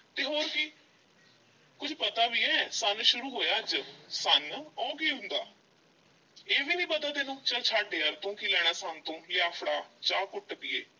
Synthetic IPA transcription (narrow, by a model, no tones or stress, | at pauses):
t̪eːɦoːɾki | kʊd͡ʒpət̪aːʋiːɛːsənʃʊɾuːɦoːjaːd͡ʒsənɔːɡiːɦʊ̃nd̪a̰ː | eːʋiːnĩːbəd̪əd̪eːnũːt͡ʃaːt͡ʃʰaːɖeːəɾt̪õːkilɛːɽ̃aːsant̪õːjaːpʰɽaːt͡ʃaːkʊʈːpɪːḛː